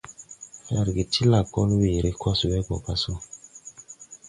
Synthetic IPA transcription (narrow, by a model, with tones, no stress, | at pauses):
a˨ɾɡe˨tʰi˦la˨kɔ˦nu˦we˨ɾe˦kʰɔ˦su˨wɛ˦ɡɔ˨pa˦so˦